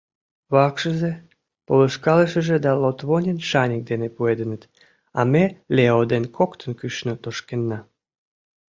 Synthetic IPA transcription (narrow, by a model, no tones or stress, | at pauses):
βɑkʃəze | poləʃkɑləʃə̆ʒĕd̪ɑlot̪βonʲənʃɑnʲək̚d̪enepued̪ənət̪ | ɑ̰meleod̪enkʰokt̪ənkyʃnot̪oʃkenːɑ